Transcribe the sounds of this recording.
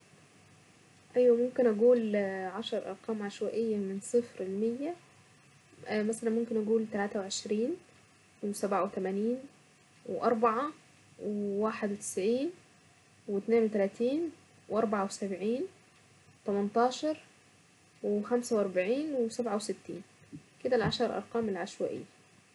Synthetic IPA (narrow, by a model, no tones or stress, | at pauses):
ʔæjwæmomkenʔæɡuːlʕɑʃɑɾˤʔɑ̰ɾˤqɑːmʕaʃwæʔɪjːæmɪnsˤɨfɾelmejːæ | mæsælænmomkenʔæɡuːlt̪ælæːt̪æweʕeʃɾiːn | wesæbʕawet̪æmæniːn | weʔɑɾˤbaʕa | wewaːħed̪wet̪ɪ̥sʕiːn | wet̪neːnwet̪ælæːt̪iːn | wʔɑɾˤbaʕawsæbʕiːn | wet̪æmɑnt̪ˤɑːʃɑɾˤ | wexæmsæwʔɑɾˤbaʕiːnwesæbʕawsɪt̪ːiːn | ked̪ælʕɑʃɑɾˤʔɑ̰ɾˤqɑːmelʕaʃwæ̰ːʔɪ̰jːæ̥